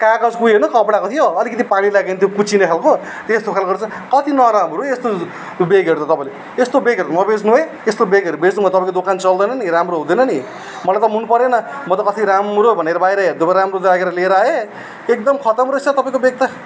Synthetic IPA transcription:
kakʌd͡zkujenʌkʌpɽakot̪ʰijoʌlikʌt̪̬ipaɽ̃ilaɡent̪jokut͡sʰinepʰalko | t̪eest̪opʰelɡʌrt͡sʰu | kʌt̪inʌɾamɾuest̪o | beɡʌɾut̪ʰʌt̪ʌpãĩle | est̪obeɡʌɾut̪ʰmʌbed͡znue | est̪obeɡʌɾubed͡znumat̪ʌpãĩkod̪okant͡sʌld̪ʌjnʌniɾamroɦũd̪ʌjnʌni | mʌlajt̪ʌmɦunupʌɾenʌmʌt̪ʌkʌt̪ʰiɾamrobʱʌneɾʌbajɾʌd̪opaɾamrod̪aɡeɾʌleɾae | ek̚d̪ʌmkʰʌt̪ʌmrosʰʌt̪ʌpaĩkobek̚t̪ʌ

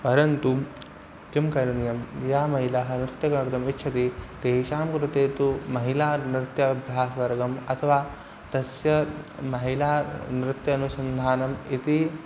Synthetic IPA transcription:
pɐɾɐnt̪u | k̪imkɐɾɐnjɐmjaːmɐɦilaɦɐ̆nɾɪt̪jɐkɐnɾt̪ɐmit̪ːʃʰɐt̪it̪eɦiʃaːmkɾut̪eːt̪umɐɦilaːnɾɪt̪jɐbʱjaːsʋɐɾɡɐmɐt̪ʰɐʋaː | t̪ɐsjɐmɐɦilaːnɾɪt̪jɐːnusɐnd̪ʱaːnɐmit̪i

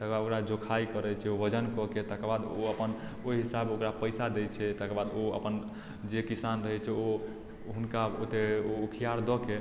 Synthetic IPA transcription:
t̪əkbad̪okɾad͡ʒokʰaikəɾɛt͡ʃʰɛobəd͡ʒənkɔket̪əkbad̪oəpənoɦisabokɾapəjsad̪ɛt͡ʃʰɛt̪əkbad̪oə̰pən | d͡ʒekisanɾəɦɛt͡ʃʰɛo | ɦunkaot̪eokʰijaɾd̪ɔke

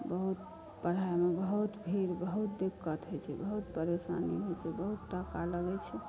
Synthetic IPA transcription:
bəɦut̪̚ | pəɽ̤aemebəɦut̪bʱiɾbəɦut̪̚d̪ekːət̪ɦot͡ʃʰɛbəɦut̪pəɾesa̰nḭɦojt͡ʃʰɛbəɦut̪ːakaləɡɛt͡ʃʰɛ

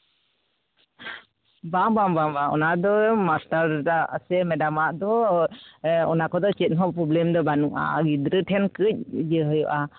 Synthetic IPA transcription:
baŋbambambaɔ̰nad̪ɔmastaɾdasɛmɛdamaʔd̪ɔ | ɔ̰nakɔd̪ɔt͡ʃɛt̪̚ˀɦɔpɾɔblɛmd̪ɔbanuʔa̰ɡid̪ɾəʈʰɛnkəc̚d͡ʒəɦɔjɔʔa

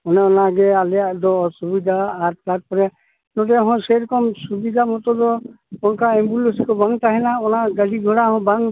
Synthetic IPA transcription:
ɔnɛɔnaɡɛalɛjaʔdɔsubid̪ʱaːɾtat̚pɔɾɛ | nɔdɛɦɔ̃sɛɾɔkɔmsubid̪ʱamɔtɔdɔ | ɔnkaɛmbulɔsikɔbaŋtaɦɛnaɔnaɡadiɡʱɔɾahɔ̃baŋ

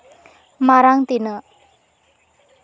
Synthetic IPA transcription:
maɾaŋt̪inə

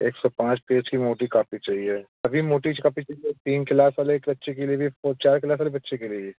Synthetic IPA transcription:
eːksɔpãːt͡ʃpeːd͡ʒkimoːʈikaːfit͡ʃaːɦie | ɐbʱimoːʈit͡ʃkaːpit͡ʃaːɦiet̪iːnkɪlaːsʋaːlekbɐtːʃek̬eliebʱifoːɾt͡ʃaːɾkɪlaːs̬ʋaːlebɐtːʃekeliebʱi

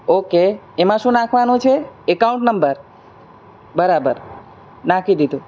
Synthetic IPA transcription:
oke | emãʃũnãkʰʋanũt͡ʃʰeekaũɳʈnəmbəɾ | bəɾabəɾ | nãkʰid̪id̪ʱũ

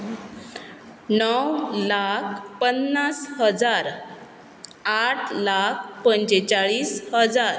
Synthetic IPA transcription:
nəwlakʰpənːasɦəd͡zaɾ | aʈʰlakʰpəɲd͡ʑet͡ɕaɭiːshəd͡zaɾ

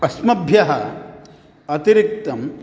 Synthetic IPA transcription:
ɐsmɐbʱjɐɦɐ | ɐt̪iɾik̚t̪ɐm

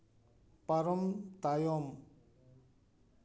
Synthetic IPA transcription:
pɐɾəmt̪ajom

